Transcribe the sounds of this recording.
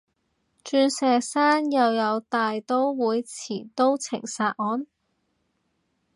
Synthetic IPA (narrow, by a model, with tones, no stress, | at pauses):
t͡ʃyː˧nsɛː˨˧saː˥njɐ˨˧wjɐ˨˧wt̪aː˨jt̪o˥wwuː˨˧jt͡sʰiː˨˩t̪o˥wt͡sʰɪ̰˨˩ŋsaː˧t̚ʔɔː˨˥n